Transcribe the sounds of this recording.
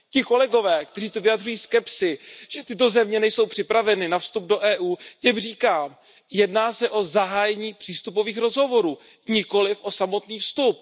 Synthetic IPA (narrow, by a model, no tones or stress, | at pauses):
cɪko̞lɛɡo̞vɛːkt̪ɛriːt̪ovɪjad̪rujiːskɛpsɪʒ̥ɛt̪ɪt̪̬o̞zɛmɲɛnɛjso̞wpr̝̥ɪpɾavɛnɪnafst̪ub̚do̞ʔɛːʔuːcɛmr̝iːkaːm | jɛdnaːsɛʔo̞zaɦaːjɛɲiːpr̥iːst̪upo̞viːxɾo̞zɦo̞vo̞ɾuː | ɲɪko̞lɪfʔo̞samo̞t̪niːfst̪up̚